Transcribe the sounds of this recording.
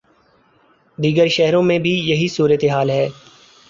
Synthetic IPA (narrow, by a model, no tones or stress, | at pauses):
d̪iːɡəɾʃɛɦɾõmẽbʱijɐɦisuːɾət̪eɦaːlɦɛː